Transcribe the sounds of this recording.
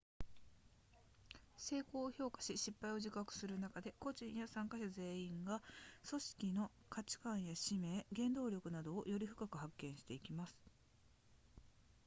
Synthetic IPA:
se̞ːko̞ːço̞ːkḁɕiɕipːaio̞ʑikakɯ̟̥sɨɾɯ̟nakad̪e̞ko̞ʑĩɰ̃jasãŋkaɕaze̞ːĩŋɡaso̞ɕi̥kʲino̞ | kat͡ɕi̥kãɰ̃jaɕime̞ːɡẽ̞nd̪o̞ːɾʲo̞kɯ̟nad̪o̞ːjo̞ɾʲiɸɯ̟̥kakɯ̟hakːẽ̞ɰ̃ɕi̥t̪e̞ikʲimasɨ̥

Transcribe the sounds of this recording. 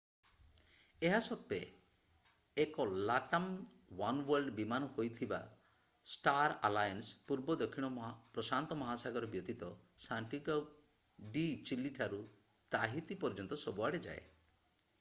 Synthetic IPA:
eɦasɔt̪̚ːe | kɔlat̪am | wanwɔɾɖbimanɔhojt̪ʰiba̰ | sʈaɾalajɔnspuɾbɔd̪ɔkʰːiɽ̃ɔpɾɔsant̪ɔmɔɦasaɡɔɾɔbjɔt̪it̪ɔ | saɳʈiɡɔ | ɖit͡ʃilːiʈʰaɾu | t̪aɦit̪ipɔɾd͡ʒɔnt̪ɔsɔbuaɽed͡ʒa̰ḛ

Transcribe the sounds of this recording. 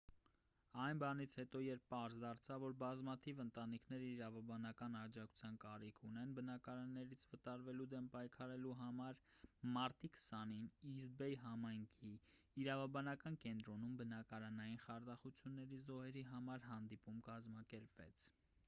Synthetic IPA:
ɑjnbɑnit͡sʰhɛt̪ɔjɛɾpʰːɑɾzd̪ɑɾt͡sʰɑvːɔɾbɑzmɑt̪ʰivənt̪ɑnikʰnɛɾəiɾɑvɑbɑnɑkɑnɑd͡ʒɑkʰu̥t͡sʰjɑnkɑɾikʰunɛnbənɑkɑɾɑnːɛɾit͡sʰvət̪ɑɾvɛlud̪ɛmpɑjkʰɑɾɛluɦɑmɑɾmɑɾt̪ikʰsɑninizbɛjɦɑmɑjŋkʰiː | ɾɑvɑbɑnɑkɑnkɛnt̪ɾɔnumbənɑkɑɾɑnɑjinχɑɾd̪ɑχut͡sʰjunːɛɾizɔhɛɾiɦɑmɑɾɦɑn̪d̪ipumkɑzmɑkɛɾpvɛ̰t͡sʰ

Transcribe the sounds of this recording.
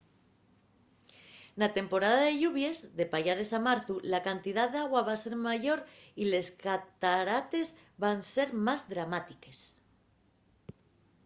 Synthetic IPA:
nat̪e̞mpo̞ɾaðaðe̞ʎuβje̞zðe̞paʝaɾe̞samaɾθulakant̪iðaðaɣ̞waβase̞ɾmaʝo̞ɾile̞skat̪aɾat̪e̞zβanse̞ɾmazðɾamat̪ike̞s

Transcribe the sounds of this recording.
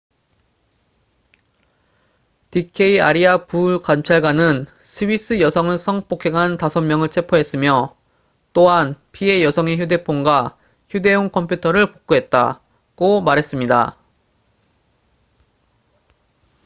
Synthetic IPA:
tikʰe̞iaɾiapuɭkamt͡ɕʰaɭɡwanɯnsʰɯbis͈ɯjʌsʰʌŋɯɭsʰʌŋp͈okʰe̞ɡɦantasʰʌmmjʌŋɯɭt͡ɕʰe̞pʰoɦe̞s͈ɯmjʌ | t͈oɦanpʰie̞jʌsʰʌŋe̞çjude̞pʰoŋɡwa | çjude̞oŋkʰʌmpʰjutʰʌɾɯɭpok̚k͈oɦe̞t̚t͈a̰ | ɡ̥omaɾɦe̞s͈ɯmɲida̰

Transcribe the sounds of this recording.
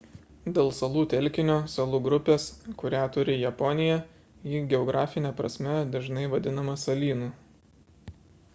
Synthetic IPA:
d̪ʲeːlˠsɐlˠuːt̪ʲɛlʲˑkʲɪnʲoːsɐlˠuːɡɾʊpʲeːskʊɾʲæːt̪ʊɾʲɪjɛpɔnʲɪjɛ | iːɡʲɛɔɡɾɑːfʲɪnʲɛːpɾɐ̰sʲmʲɛd̪ɐʒnɐɪʋɐd̪ʲɪnɐmɐsɐlʲiːnu

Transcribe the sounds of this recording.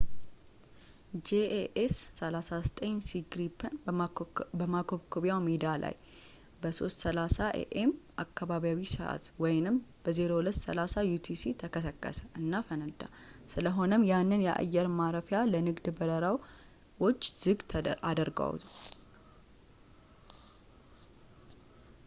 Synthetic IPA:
d͡ʒeʔeʔesːəlasasət̪ʼəɲsiɡɾipʰən | bəmakʰoβkʰoβjawmed̪ala̰j | bəso̞̰st̪səlasaʔḛʔemʔa̰kːaβaβijawisəʔa̰t̪wɔjnɨmb̥əze̞ɾo̞wulət̪ːsə̰lasajut̪ʰisit̪ʰəkʰəsəkʼːə̰sə̥ʔɨnːafənəd̪a̰sɨləɦo̞nəmjanːɨnjɛʔa̰jːɛɾmaɾəfjalənɨɡd̪bəɾəɾaw | wot͡ʃːz̥ɨɡt̪ʰad̪əɾɡa̰w

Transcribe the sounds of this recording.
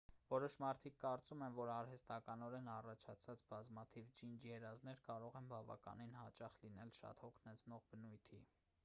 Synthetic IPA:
vɔɾɔʃmɑɾt̪ʰikːɑɾt͡sumɛmvɔɾɑɾhɛst̪ɑkɑnɔɾɛnɑrɑt͡ʃʰɑt͡sʰɑt͡sbɑzmɑt̪ʰivd͡ʒind͡ʒjɛɾɑznɛɾkɑɾɔʁɛnbɑvɑ̰kɑ̰ninhɑt͡ʃɑχlinɛlʃɑ̰t̪hɔkʰnɛt͡sʰnɔʁbənujt̪ʰi

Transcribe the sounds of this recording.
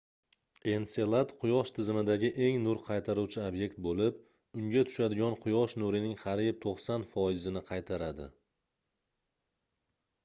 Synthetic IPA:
e̞nse̞lˠat̪qʰʊjɒʃt̪ʰɪzɪmɪd̪aɡʲɪʔe̞ŋnʊɾqʰɑjt̪ʰaɾuwt͡ʃʰɪabje̞kʲt̪̚bolɪp | ʊŋɡʲat̪ʰʊ̥ʃad̪ɪɡʲɒnqʰʊjɒʃnʊɾɪnɪŋχɑɾɪp̚t̪ʰoqsanfɒjɪzɪnɪqʰɑjt̪ʰaɾad̪ɪ̰

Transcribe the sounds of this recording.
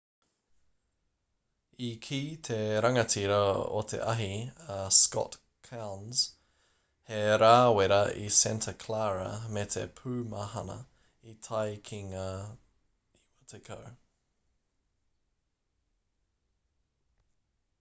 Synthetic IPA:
ikʰiːt̪ʰeɾɐŋɐtʰiɾɐo̰t̪ʰḛʔɐɦiaskɔ̰t | kʰawnz̥ | heɾaːweɾɐʔḭsɛntʰɐkʰlaːɾɐ̰met̪ʰḛpʰʉːmɐɦɐnɐ̰ | it̪ʰajkʰiŋɐ | iwɐt̪ʰekʰow

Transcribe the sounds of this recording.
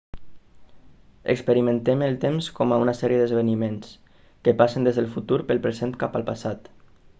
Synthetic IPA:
ə̰kspəɾimə̃nt̪eməlˠt̪emskɔmaunasɛɾijəðəzβənimens | kəpasənd̪ezðəlˠfut̪uɾpəlˠpɾəzent̪̚kapəlˠpasat̪

